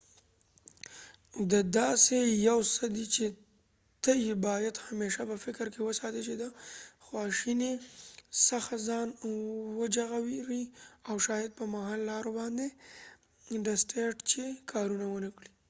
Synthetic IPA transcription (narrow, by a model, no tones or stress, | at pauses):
d̪əd̪ɑsejawsəd̪it͡ʃe | t̪əjebɑjad̪hameʃapəfɪkɾkewəsɑt̪ət͡ʃed̪əxwɑʃinesaxazɑnwəd͡ʒaɣawiɾiawʃɑjɪd̪̚pəmaɦɑlːɑɾobɑnd̪e | ɖasʈeʈt͡ʃekʰɑɾunawənakɽi